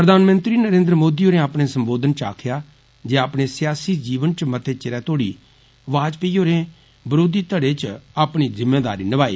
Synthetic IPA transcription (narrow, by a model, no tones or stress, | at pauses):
pɾəd̪ʱaːnmə̃nt̪ɾiːnəɾẽːnd̪ɾəmoːd̪iːɦoːɾẽaːpɽeːsəmboːd̪ənt͡ʃa̰ːkʰjaː | d͡ʒeːaːpɽeːsjaːsiːd͡ʒiːʋənt͡ʃmət̪ʰeːt͡ʃɪɾɛːt̪oːɽḭː | ʋaːd͡ʒpeiːɦoːɾẽː | bəɾoːd̪iːt̪əɽeːt͡ʃaːpɳ̃iːzɪmːeːd̪a̰ːɾiːnəʋaːḭː